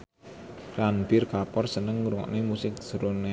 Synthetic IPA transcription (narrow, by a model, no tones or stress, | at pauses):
ranbirkapɔrsənəŋːuɾuŋɔ̰ʔnemusɪk̚suɾone